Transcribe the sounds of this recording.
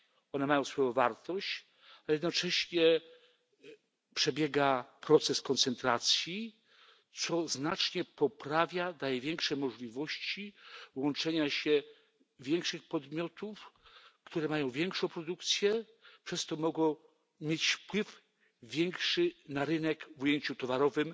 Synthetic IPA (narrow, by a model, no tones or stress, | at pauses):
ɔnɛmajɔ̃w̃sfɔjɔ̃w̃vaɾt̪ɔɕt͡ɕ | alɛjɛd̪nɔt͡ʂɛɕɲɛ | pʂɛbʲjɛɡapɾɔt̪sɛskɔnt̪sɛnt̪ɾat̪sʲji | t̪sɔznat͡ʂɲɛpɔpɾavʲjad̪ajɛvʲjɛŋkʂɛmɔʐlʲivɔɕt͡ɕiwɔnt͡ʂɛɲaɕɛ | vʲjɛŋkʂɘxpɔd̪mʲjɔt̪ufkt̪uɾɛmajɔ̃w̃vʲjɛŋkʂɔ̃w̃pɾɔd̪ukt̪sʲjɛ | pʂɛst̪ɔmɔɡɔ̃w̃ | mʲjet͡ɕfpwɘfːʲ | jɛŋkʂɘnaɾɘnɛkvujeɲt͡ɕut̪ɔvaɾɔvɘm